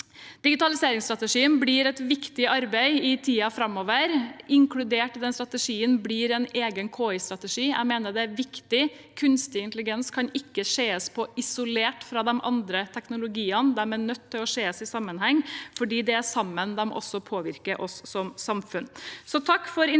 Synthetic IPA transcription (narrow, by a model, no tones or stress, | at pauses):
d̪̥ɪɡɪt̪ɑlɪseːɾɪŋst̪ɾɑt̪əʂiːənbliːɾɛt̪ʋɪkt̪ɪʔɑɾbæɪɪt̪ʰiːɑfɾɑmːoːʋəɾɪŋkʰɽʉd̪eːʈːɪd̪ɛnst̪ɾɑt̪əʂiːənbliːɾɛneːɡənkʰoːɪst̪ɾɑt̪əʂiːæ̰ɡmeːnəɖɛæɾʋɪkt̪ɪ | kʰʉnst̪ɪɪnt̪əlɪɡɛnskʰɑnɪkːəʂeːəspʰɔʔɪsʊleːʈfɾɑd̪ɛmʔɑ̰nd̪ɾət̪ʰɛknʊlʊɡiːənd̪ɛmæɳœt̪ʰːɪlɔʂeːəsɪsɑmːənhɛŋːfɔɖiːd̪ɛæsɑmːənd̪ɛm̰ʔɔ̰sːɔpʰoːʋɪɾkəɾʔɔsːɔmsɑmfʉnsɔt̪ʰɑkːfɔɾɪ